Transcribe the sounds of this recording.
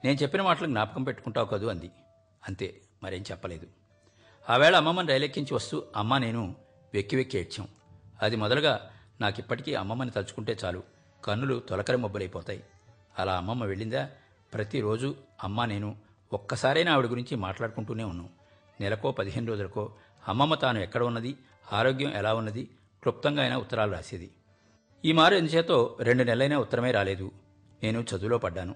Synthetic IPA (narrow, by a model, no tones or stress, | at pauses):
neːnut͡ʃe̞pːinɐmaːʈɐlɐkɡnaːpɐkɐmpe̞ʈːu̥kuɳʈaːwukɐd̪uɐnd̪i | ɐnt̪e̞ː | mɐɾeːnut͡ʃɛpːɐleːd̪u | aːʋɛːɭɐːmːɐmːɐniɾɐjlekːiɲt͡ʃiʋɐst̪uːɐmːaːne̞ːnu | ʋjekːiʋekːeːʈt͡ʃa̰w | ɐd̪imɔd̪ɐlɐɡaː | naːkipːɐʈi̥kiːʔɐ̰mːɐmːɐnːit̪ɐlt͡ʃu̥kuɳʈe̞ːt͡ʃaːlu | kɐnːulut̪ɔlɐkɐɾɐmobːɐlɐjpɔːt̪aːji | ɐlaːɐmːɐmːɐʋe̞ɭːind̪aː | pɾɐt̪iɾo̞ːd͡ʒuɐmːane̞ːnu | ɔkːɐsaːɾɐjnaːʋiɽiɡuɾiɲt͡ʃimaːʈlaːɽukuɳʈuːne̞ːunːu | nɛlɐko̞ːpɐd̪iɦeːnuɾoːd͡ʒulɐko̞ː | ɐmːɐmːɐt̪aːnuɛkːɐɽɐunːɐd̪i | aːɾo̞ːɡjɐmʔɛlaːunːɐd̪i | klup̚t̪ɐŋɡaːjnaːut̪ːɐɾaːluɾa̰ːsind̪i | iːmaːɾuend̪ɐt͡ʃɛːt̪o̞ːɾe̞ɳɖunɛlɐɐjnaːut̪ːɐɾɐmeːɾaːle̞ːd̪u | ne̞ːnut͡ʃɐd̪ulo̞ːpɐɖːaːnu